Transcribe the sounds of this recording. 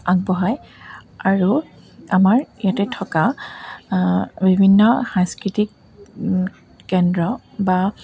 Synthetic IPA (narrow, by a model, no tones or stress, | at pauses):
aɡ̚bɔɦajaɹu | amaɹijatɛtʰɔka | bibʱinːɔxãŋskɹitik | ɛndɹɔ | ba